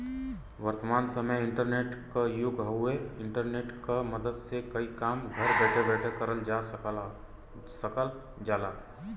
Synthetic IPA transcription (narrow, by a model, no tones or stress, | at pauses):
ʋəɾt̪əmaːnsəməjɪ̃ɳʈəɾneːʈkajʊɡʱɦɐʊeɪ̃ɳʈəɾneːʈkaməd̪əd̪sekɐikaːmɡʱɐɾbɛːʈʰebɛːʈʰekəɾəld͡ʒa | səkəl | d͡ʒaːlaː